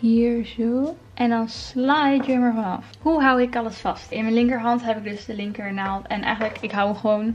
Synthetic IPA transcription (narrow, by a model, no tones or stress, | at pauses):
hiːɹzo | ʔɛndɔnslajdrɪməɹvɑnɑ̰fhuɦawɪkɑləsfɑstɪnmɛnlɪŋkəɹɦɑntɦɛpɪɡ̚dɵsdəlɪŋkəɹnaːlˠtɛnʔɛ̰jχənləkɪkɦawχəʋown